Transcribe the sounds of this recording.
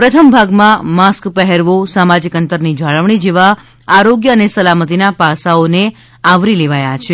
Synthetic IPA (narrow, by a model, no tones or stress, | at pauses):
pɾət̪ʰəmbʱaɡmãmaskpɛɦɛɾʋosamad͡ʒikənt̪əɾnid͡ʒaɭəʋɳ̃id͡ʒeʋa | aɾoɡjəənesəlamət̪inapasaone | aʋɾileʋajat͡ʃʰe